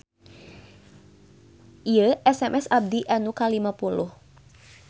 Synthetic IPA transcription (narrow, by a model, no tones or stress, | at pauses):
iəʔɛsɛmʔɛsab̚diʔanukalimapulʊh